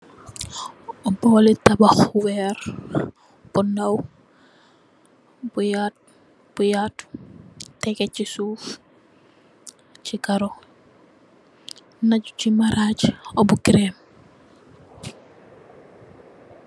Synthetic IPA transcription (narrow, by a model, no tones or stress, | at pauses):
ɔbɔːlitabaxwɛːɾ | b̥unaw | bujat̚ | b̥ujat | tɛkecisuf | t͡ʃikaɾo | naɟucimaɾaɟobukiɾem